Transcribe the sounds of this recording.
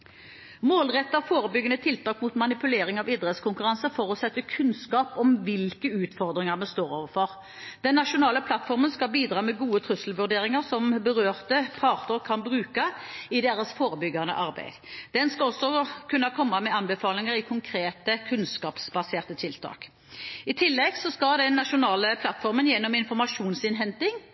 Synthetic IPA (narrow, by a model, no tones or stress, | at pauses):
moːlʁɛt̪ːɑfoːʁəbʏɡːənət̪ʰɪlt̪ʰɑːkmut̪mɑnɪpʉleːɾɪŋɑʋɪd̪ʁɛt̪skʊŋkʉʁɑnsəfɔʁɔsɛt̪ːəkʰʉnskɑːpɔmʋɪlkəʉːt̪fɔʁd̪ʁɪŋəʁmɛnst̪oːɾoːʋəɾfɔʁ | d̪̥ɛnːɑʂʊnɑːləpʰlɑt̪fɔʁmənskɑlbiːd̪ɾɑːmɛɡuːət̪ʰʁʉsəl̩ʋʉʁd̪eːʁɪŋəʁsɔmbəʁøːʁt̪əpʰɑːʁt̪ʊɾkʰɑnbʁʉːkɑɪd̪eːʁəsfoːʁəbʏɡːɑnə̰ʔɑʁbæ̰ɪd̪̥d̪̥ɛnskɑɔsːɔkʰʉnːɑkʰɔmːɑmɛɑnbəfɑːlɪŋəʁɪkʰʊŋkʰɾeːt̪əkʰʉnskɑːpsbɑseːʁt̪ət̪ʰɪlt̪ʰɑ̰ːk | ɪt̪ʰɪlːɛɡsɔskɑd̪ɛnːɑʂʊnɑːləpʰlɑt̪fɔʁmənjɛnːɔmɪnfɔʁmɑʂuːnsɪnɦɛnt̪ɪŋ